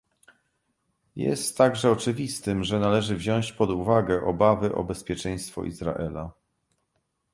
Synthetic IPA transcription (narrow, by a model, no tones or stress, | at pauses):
jɛ̰st̪ːaɡʐɛɔt͡ʂɘvʲist̪ɘmʐɛnalɛʐɘvʑɔ̃w̃ɕt͡ɕpɔd̪uvaɡɛʔɔbavɘʔɔ̰bɛspʲjɛt͡ʂɛj̃st̪fɔ̰ʔḭzɾa̰ʔɛla